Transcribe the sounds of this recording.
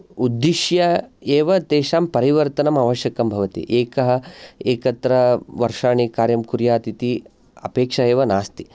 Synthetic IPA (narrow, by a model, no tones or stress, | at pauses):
ud̪ːiʃjɐeːʋɐt̪eːʃaːmpɐɾiʋɐɾt̪ɐnɐmaʋɐʃjɐkɐmbʱɐʋɐt̪ḭʔeːkɐɦɐeːkɐt̪ɾɐʋɐɾʂaːɳikaːɾjɐmkuɾjaːt̪it̪i | ɐ̰peːkʂɐeːʋɐnaːst̪i